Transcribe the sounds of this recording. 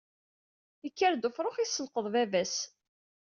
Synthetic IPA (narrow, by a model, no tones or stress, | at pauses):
əkːəɾd̪ufɾˤoχisːəlqəðˤvævæs